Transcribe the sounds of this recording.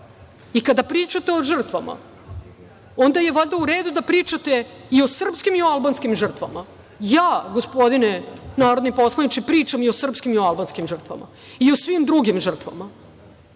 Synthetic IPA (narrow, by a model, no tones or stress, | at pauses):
ikad̪apɾiːt͡ʃat̪eo̞ʐr̩t̪ʋama̰ | õnd̪ajeʋoʎd̪auɾe̞ːd̪ud̪apɾiːt͡ʃat̪e̞io̞sr̩pskimioalˠbanskimʐr̩t̪ʋama | jaːɡospo̞d̪inenaːɾod̪nipo̞slˠanit͡ʃipɾiːt͡ʃamiosr̩pskimioalbanskimʐər̩t̪ʋa̰ma̰ | iosʋimd̪ɾuɡimʐr̩t̪ʋa̰ma